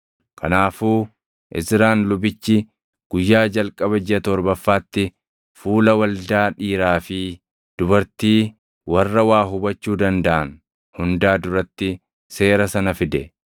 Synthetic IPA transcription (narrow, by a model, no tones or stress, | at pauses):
kʰɐnaːfuː | ʔɪ̰sɾaːnlʊbɪt͡ʃːɪ | ɡ̥ʊjːaːd͡ʒɐlkʼɐbɐd͡ʒɪɐt̪ɔɾbɐfːaːt̪ːɪ | fuːlɐwɐld̪aːᶑiːɾaːfɪ | d̪̥ʊbɐɾt̪iː | wɐrːɐwaːɦʊbɐt͡ʃːuːd̪ɐnd̪ɐʔɐn | hʊnd̪aːd̪ʊɾɐt̪ːɪ | se̞ːɾɐsɐnɐfɪd̪ɛ